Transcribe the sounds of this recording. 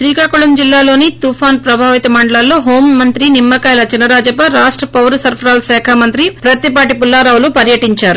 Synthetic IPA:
ʃɾiːkaːkuɭɐmd͡ʒilːaːlo̞ːnit̪upʰaːnpɾɐbʱaːʋit̪ɐmɐɳɖɐɭaːlːoːɦo̞ːmːɐnt̪ɾinimːɐkɐːjlɐt͡ʃinɐɾaːd͡ʒɐpɐɾaːʂʈɾɐpɐwɾɐsɐɾpʰɾaːlsɛːkʰamɐnt̪ɾipɾɐt̪ipaːʈipulːaːɾaːʋulupɐɾjɐʈiɲt͡ʃaːɾu

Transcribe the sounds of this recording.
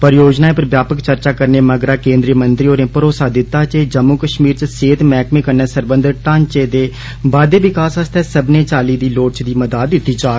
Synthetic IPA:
pəɾjoːd͡ʒnaːeːpɾəbjaːpəkt͡ʃəɾt͡ʃaːkəɾneːməɡɾaːkẽːnd̪ɾijəmənt̪ɾiːoːɾẽːpəɾoːsaːd̪ɪt̪ːaːt͡ʃeːd͡ʒəmːukəʃmiːɾt͡ʃseːt̪mɛːkmẽːkəɾnɛːsəɾbənd̪əɾʈãːɲt͡ʃeːd̪eː | baːd̪eːʋɪkaːsəst̪ʰɛːsəbneːt͡ʃaːliːd̪iːloːʈ̚t͡ʃd̪iːməd̪aːd̪ɪʈːiːt͡ʃaː

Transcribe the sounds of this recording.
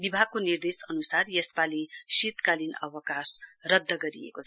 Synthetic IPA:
bibʱaɡ̚konird̪esʌnusarjespalisit̪kalinʌ̰wʌkasrʌd̪ʱːʌɡʌɾijḛkot͡sʰʌ

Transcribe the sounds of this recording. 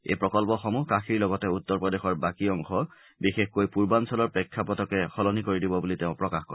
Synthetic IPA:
ḛjpɹɔkɔlpɔxɔmukaxʰiɹlɔɡɔtɛutːɔɹpɹɔdexɔɹbakiɔŋxʰɔ | bixexkojpuɹbansɔlɔɹpɹɛkʰːapɔtɔkɛxɔlɔnikoɹidibɔbuliteʊ̃pɹɔkaxkɔ̰ɹ

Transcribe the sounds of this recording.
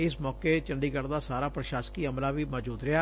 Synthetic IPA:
ɪsmɔːket͡ʃəɳɖiːkəɾd̪aːsaːɾaːpɾəʃaːsəkiːəmlaːʋiːmɔːd͡ʒuːd̪ɾɪaː

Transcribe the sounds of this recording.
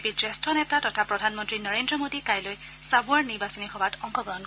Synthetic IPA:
pid͡ʒɛstʰɔnɛtatɔtʰapɹɔdʱanmɔntɹinɔɹendɹɔmodikajloj | sabʊaɹniɹbasɔnixɔbatʰɔŋkɔɡɔɦɔn

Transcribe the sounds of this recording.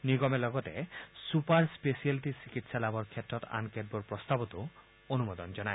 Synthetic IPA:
niɡɔmelɔɡɔt̪ḛsupaɾspesialʈisikit̪salabɔɾkʰet̪ːɾɔt̪a̰nked̚boɾpɾɔst̪abɔt̪o | onumod̪ɔnd͡ʑɔnaj

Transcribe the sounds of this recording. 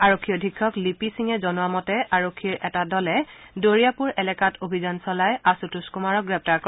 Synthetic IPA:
aɹokʰːiɔdʱikʰːɔklipisiŋɛzɔnʊamɔtɛʔaɹokʰːiɹʔɛtadɔlɛdoɹijapuɹɛlɛkatʰobʱizansɔlajasutuskumaɹɔk̚ɡɹɛp̚taɹkɔ

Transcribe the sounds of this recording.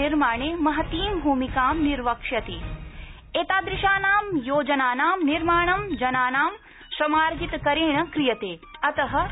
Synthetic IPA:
iɾmaːɳeːmɐɦɐt̪iːmbʱuːmikaːmniɾʋɐkʂjɐt̪eː | eːt̪aːd̪ɾiʃaːnaːmjoːd͡ʒɐnaːnaːmniɾmaːɳɐmd͡ʒɐnaːnaːm | ʃɐmaːɾɡit̪ɐkɐɾeːɳɐkɾijɐt̪eːɐt̪ɐɦɐ̆

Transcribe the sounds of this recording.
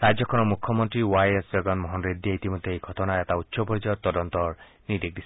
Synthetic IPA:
ɾad͡ʒɔkʰɔnɔmukʰːɔmɔnt̪ɾiwajesd͡ʒɔɡɔnmɔɦɔnɾed̪ːieit̪imɔd̪ʱːeejɡʱɔt̪ɔnaet̪aut̪ːsɔbɔɾid͡ʒɔt̪ɔdɔnt̪ɔ | nidek̚d̪isʰ

